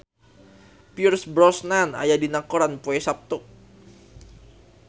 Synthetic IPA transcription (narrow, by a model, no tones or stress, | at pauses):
piursbɾɔsnana̰jadinakɔɾanpoɛsap̚t̪ʊk̚